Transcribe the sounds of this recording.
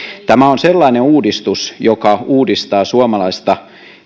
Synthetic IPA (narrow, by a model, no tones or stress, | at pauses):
t̪æmæonselːɑineuːdist̪usjokɑuːdist̪ɑːsuɑmɑlɑist̪ɑ